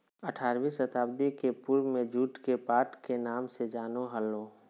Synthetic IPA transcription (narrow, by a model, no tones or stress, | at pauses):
əʈʰaːɾʋisət̪aːbd̪ikepuɾwmẽd͡ʒuːʈkepaːɾʈkenaːmsed͡ʒaːnoɦəlːõː